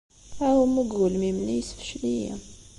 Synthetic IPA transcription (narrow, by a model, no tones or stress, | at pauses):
æwəmuɡulmimnijsfʃlijḭ